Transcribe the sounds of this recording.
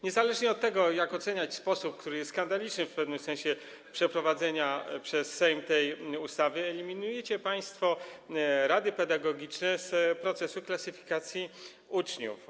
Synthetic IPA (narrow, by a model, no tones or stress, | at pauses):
ɲɛzalɛʐɲɛɔt̪ːɛɡɔjakɔt̪sɛɲat͡ɕspɔsup̚kt̪uɾɘjɛst̪skand̪alʲit͡ʂnɘfpɛvnɘmsɛñɕɛ | pʂɛpɾɔvad̪zɛɲapʂɛsːɛjmt̪ɛjust̪avɘɛlʲimʲinujɛt͡ɕɛpaj̃st̪fɔ | ɾad̪ɘpɛd̪aɡɔɡʲit͡ʂnɛspɾɔt̪sɛsuklasɘfʲi̥kat̪sʲji | ut͡ʂɲṵf